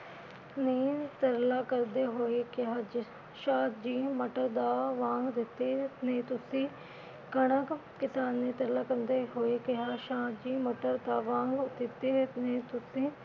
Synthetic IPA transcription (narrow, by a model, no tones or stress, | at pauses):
neːt̪əɾlaːkəɾd̪eːɦoːeːkɪɦaːd͡ʒ | ʃaːt̪d͡ʒiːməʈəɾd̪aːʋãːŋɡd̪ɪt̪ːeːneːt̪ʊsĩː | kəɽ̃əkkɪsaːnːeːt̪əɾlaːkəɾd̪eːɦoːeːkɪɦaːʃaːt̪d͡ʒiːməʈəɾd̪aːʋãːŋɡd̪ɪt̪ːeːnẽːt̪ʊsĩː